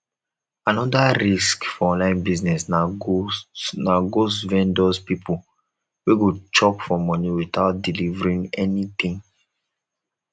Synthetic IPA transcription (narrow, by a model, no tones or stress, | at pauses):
ãnɔdaɾiskfɔɔ̃nlãɪ̃nbiznɛsna | naɡosvɛ̃ndɔspipʰu | weɡot͡ʃɔpfɔmɔniwit̪aʊt̚dilivɹĩŋɛnit̪ĩŋ